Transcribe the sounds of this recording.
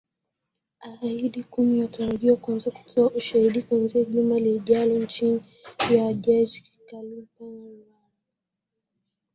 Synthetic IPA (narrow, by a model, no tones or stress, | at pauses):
aaiɗikumiataɾaʄiakwanzaku̥tʰɔaʔuʃaiɗikanziɛʄumaliʄalɔnt͡ʃini | jaʄɛd͡ʒkikalupamanwaɾi